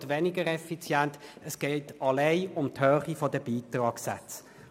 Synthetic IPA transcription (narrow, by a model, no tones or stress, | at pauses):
tʋenɪɡəɾɛfit͡sjæntəsɡ̥ɛɪtɑleɪʊmthœːχifɔdəbiːtʁɑːksa̰t͡s